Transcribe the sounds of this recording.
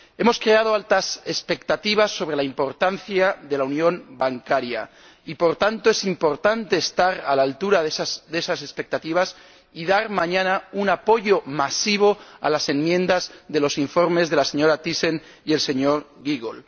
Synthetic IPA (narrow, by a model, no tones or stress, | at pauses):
e̞mo̞skɾe̞að̞o̞alt̪ase̞spe̞kt̪at̪iβ̞asːo̞βɾe̞laimpo̞ɾt̪anθjaðe̞launjõ̞mbaŋkaɾja̰ | ipo̞ɾt̪ant̪oe̞simpo̞ɾt̪ant̪e̞ːst̪aɾalaːlt̪uɾaðessd̪e̞sase̞spe̞k̚t̪at̪iβas | iðaɾmãɲãnaunapo̞ʝo̞masiβ̞o̞a̰lase̞nmjẽ̞nd̪azðe̞lo̞siɱfo̞ɾme̞zðe̞lase̞ɲo̞ɾat̪ise̞n | ie̞lse̞ɲo̞ɾɣiɣol